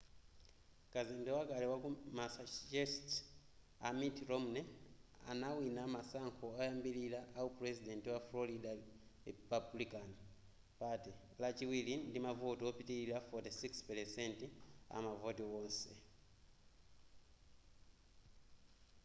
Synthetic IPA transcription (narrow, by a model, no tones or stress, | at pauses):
kazɛmbɛwakalɛwakumasad͡ʒɛst | amitɾɔmunɛa̰nawinamasaŋkʰɔajambililaʔːupɾɛsidɛntiwafloɾidaɾipablikan | pati | lat͡ʃiwilindimavotiɔpitililafɔtisikspɛlɛsɛntia̰mavotiwɔːnsɛ